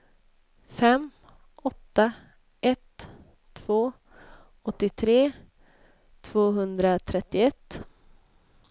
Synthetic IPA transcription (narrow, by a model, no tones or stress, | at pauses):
fɛm | ʔɔt̪ːa | ʔɛt̪ʰː | v̥oː | ɔt̪ːɪt̪ʰɾeː | t̪ʰv̥oːɦɵnd̪ɾat̪ʰɾɛt̪ːɪɛt̪ː